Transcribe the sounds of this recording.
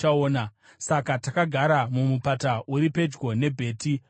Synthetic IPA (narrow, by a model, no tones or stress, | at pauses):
aoːna | sakatakaɡʱaɾamumupataʔuɾipe̞d͡ʒɡo̞ne̞bʱe̞ːti